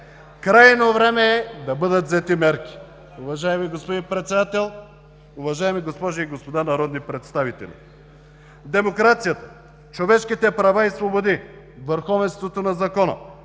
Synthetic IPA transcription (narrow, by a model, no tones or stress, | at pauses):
kɾajnovɾɛmɛːd̪ɐbɤd̪ət̪zɛt̪imɛɾki̥ | ʊvɐʒaɛmiɡospod̪inpɾɛt̪sɛd̪at̪ɛlˠ | ʊvɐʒaɛmiɡospɔʒiiɡospod̪anɐɾɔd̪nipɾɛt̪st̪avit̪ɛ̰lʲḭ | d̪ɛmokɾat̪sijɐt̪ɐ̥ | t͡ʃovɛʃkit̪ɛpɾɐvaisvobod̪i | vəɾxɔvɛnst̪vot̪onɐzɐkɔnɐ̰